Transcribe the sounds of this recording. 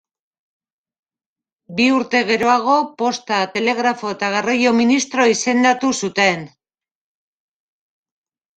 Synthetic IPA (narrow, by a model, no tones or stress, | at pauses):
biuɾt̪e̞ɣe̞ɾo̞aɣ̞o̞po̞st̪at̪e̞le̞ɣ̞ɾafo̞et̪aɣerajo̞minist̪ɾo̞ise̞nd̪at̪usut̪e̞n